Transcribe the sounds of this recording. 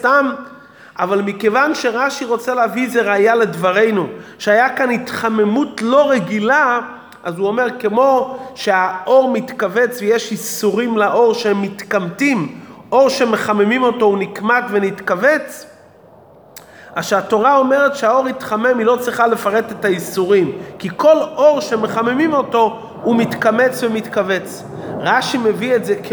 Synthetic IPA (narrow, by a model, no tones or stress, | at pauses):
st̪am | ʔavalmikevanʃe̞ʁaʃiʁo̞t͡seleavizeʁajale̞dvaʁe̞jnuʃeajakanitχame̞mutlo̞ʁe̞ɡila | ʔazuo̞me̞ʁke̞mo̞ʃe̞aʔo̞ʁmitkave̞t͡svejeʃisuʁimlaʔo̞ʁʃehemːit̪kamtimʔoʁʃeme̞χamemimo̞to̞unikmatvenitkave̞t͡s | aʃeato̞ʁao̞me̞ʁetʃeao̞ʁit̪χame̞milo̞t͡sʁiχale̞faʁe̞t̪e̞taisuʁimkiko̞lo̞ʁʃeme̞χamemimo̞to̞ | umit̪kame̞t͡svemit̪kave̞t͡s | ʁaʃime̞vietzek